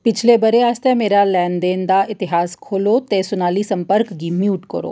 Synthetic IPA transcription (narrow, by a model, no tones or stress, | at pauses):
pɪt͡ʃʰlebəɾeaːst̪emeːɾalɛːnd̪eːnd̪aʔɪt̪ɪɦaːskʰoːlot̪esʊnaːlisɐ̃mpəɾkɡimjuːʈkɐ̰ɾo̰ː